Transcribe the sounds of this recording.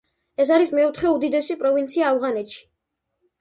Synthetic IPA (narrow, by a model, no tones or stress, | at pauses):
ɛsaɾismɛɔt̪ʰχɛud̪id̪ɛsipʼɾɔvint̪sʰiaːvʁanɛt̪ʃi̥